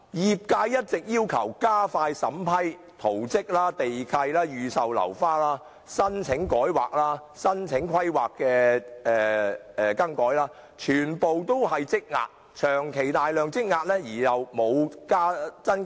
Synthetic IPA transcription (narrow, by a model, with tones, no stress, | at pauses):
jiː˨p̚kaː˧jːɐ˥t̚t͡sɪ˨k̚jiː˥wkʰɐ˨˩wkaː˥faː˧jsɐ̰˨˥mpʰɐ˥j | t̪ʰo˨˩wt͡sɪ˥k̚laː˥t̪e˨jkʰɐ˧jlaː˥jyː˨sɐ˨wlɐ̰˨˩wfaː˥laː˥ | sɐ˥nt͡sʰɪ˨˥ŋkɔː˨˥jwaː˨k̚laː˥sɐ˥nt͡sʰɪ˨˥ŋkʰɐ˥jwaː˨kːɛː˧ɛː˨ɛː˨˩kɐ˥ŋkɔː˨˥jlaː˥ | t͡ʃʰyː˨˩npo˨˧wt̪o˥whɐ˨jt͡sɪ˥k̚ŋa̰ː˧t̚ | t͡ʃʰœː˨˩ŋkʰe˨˩jt̪aː˨jlœː˨ŋt͡sɪ˥k̚ŋaː˧t̚lɛː˥jiː˨˩jɐ˨wmo˨˧wkaː˥t͡sɐ˥n